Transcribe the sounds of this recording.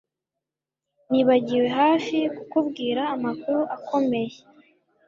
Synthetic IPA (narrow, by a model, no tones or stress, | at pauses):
niβaɟiwe̞ɦaːfikukubɡiːɾaːmakuɾuʔakʰo̞me̞je